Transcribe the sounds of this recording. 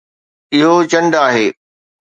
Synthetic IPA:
ɪɦot͡ɕɐ̃ɳɖaːɦeː

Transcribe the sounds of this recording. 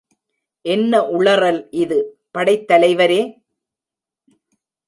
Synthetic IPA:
ʔɛnːɐʔʊɭɐɾɐlʔɪðɯ | pɐɽɐɪt̪ːɐlɐɪʋɐɾeː

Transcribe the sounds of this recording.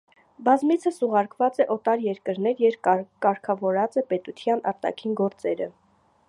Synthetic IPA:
bɑzmit͡sʰəsuʁɑɾkvɑt͡sɛʔɔt̪ɑɾjɛɾkəɾnɛɾjɛɾkɑɾkʰɑvɔɾɑt͡sɛpɛt̪ut̪ʰjɑnɑ̰ɾt̪ɑ̰kʰinɡɔɾt͡sɛɾə̰

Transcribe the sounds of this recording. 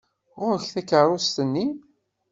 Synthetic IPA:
ʁʊɾəçθækːəɾˤʊst̪ənːi

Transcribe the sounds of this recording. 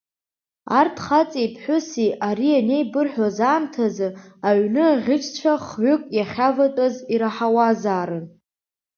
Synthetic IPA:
artʰχat͡sʼijpʰħʷʊsiaɾiane̞jbɨrħʷᶣazaːmtʰazɨaɥnɨaʁʲɪt͡ʃʰʼt͡ɕʷʰaχɥʷʊkʷʼjaχʲavatʼaziɾaħawazaːɾɨn

